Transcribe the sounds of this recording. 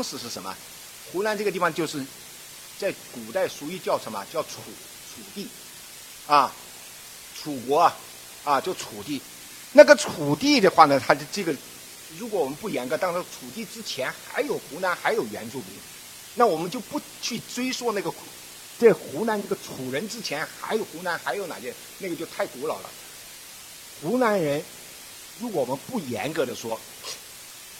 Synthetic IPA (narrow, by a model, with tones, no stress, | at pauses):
ɑ˥ŋʂɻ̩˧˥ʂɻ̩˥˩ʂə˧˥nmə̰˩ | xu˧˥na˧˥nʈ͡ʂɤ˥˩ɡə˩t̪i˥˩fɑ˧ŋt͡ɕjo˥˧ʊʂɻ̩˥˩ | t͡sa˥˩ɪku˨˩t̪a˥˩ɪʂu˧˥y˥˧t͡ɕjɑ˥˩ʊʂʰə˧˥mɐ̰˧t͡ɕjɑ˥˩ʊʈ͡ʂʰu˨˩ | ʈ͡ʂʰu˨˩t̪i˥˩ | ɐ˥˩ | ʈ͡ʂʰu˨˩kwɔ˧˥ɐ˧ | ɐ˥˧t͡ɕjo˥˩ʊʈ͡ʂʰu˨˩t̪i˥˩ | na˥˩ɡə˩ʈ͡ʂʰu˨˩t̪i˥˩d̪ə˩xwa˥˩nə˩t̪ʰa˥ʈ͡ʂɤ˥˩ɡə˩ | ɻu˧˥k̬wɔ˧˥wɔ˨˩mə˦npu˥˩jɛ˧˥nkɤ˧˥t̪ɑ˥˧ŋʂ̩˥˧˥ʈ͡ʂʰu˨˩t̪̬i˥˩ʈ͡ʂɻ̩˥t͡ɕʰjɛ˧˥nxa̰˧˥ɪjo˨˩ʊxu˧˥na˧˥nxa˧˥ɪjo˨˩ʊɥɛ̰˧˥nt͡su˥˩pi˧˩ | na˥˩wɔ˨˩mə˦nt͡ɕjo˥˧ʊpu˥˩ | t͡ɕʰy˥˩ʈ͡ʂwe˥ɪswɔ˥˧na˥˩ɡə˩ | ʈ͡ʂɤ˥˩ə˩xu˧˥na˧˥nʈ͡ʂə˥˩ɡə˩ʈ͡ʂʰu˨˩ɻə˧˥nʈ͡ʂɻ̩˥t͡ɕʰjɛ˧˥nxa̰˧˥ɪjo˨˩ʊxu˧˥na˧˥nxa˧˥ɪjo˧˥ʊna̰˨˩t͡ɕɛ˥˧ | na˥˩ɡə˩t͡ɕjo˥˧ʊt̪ʰa˥˩ɪt̪u˧˥lɑ̰˨˩ʊlə̰˦ | xu˧˥na˧˥nɻə˧˥n | ɻu˧˥kwɔ˧˥wɔ˨˩mə˦npu˥˩jɛ̰˧˥nkɤ˧˥d̪ə˧ʂwɔ˥